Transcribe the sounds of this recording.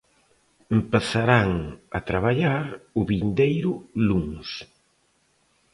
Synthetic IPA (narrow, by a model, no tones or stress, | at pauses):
mpasaɾaŋɐt̪ɾaβaʎaɾʊβind̪ejɾʊluŋs